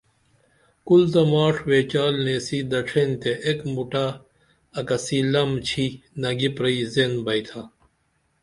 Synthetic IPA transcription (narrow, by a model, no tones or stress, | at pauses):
kult̪ɐmaːʂʰweːt͡ɕaːlneːsid̪ɐʈ͡ʂʰent̪eʔekmuʈaː | kɐsilɐmt͡ɕʰinɐɡipɾɐizenbɐit̪ʰa